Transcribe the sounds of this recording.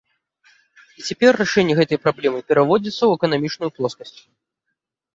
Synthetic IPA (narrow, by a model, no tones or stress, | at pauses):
it͡sʲapʲɛrːaʂɛnʲːɛɣɛt̪ɐjpɾablʲɛmɨpʲɛɾavɔd͡zʲit̪sːɐwɛkɐnamʲit͡ʂnujuplˠɔskɐsʲt͡sʲ